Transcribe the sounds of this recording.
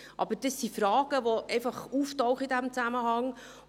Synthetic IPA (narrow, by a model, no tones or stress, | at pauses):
ʔɑ̰b̥əɾd̥əsːifɾɑːɡ̥əʋɔʔɛɪfɑχuːftɔʊχəidæmt͡sæməɦɑŋ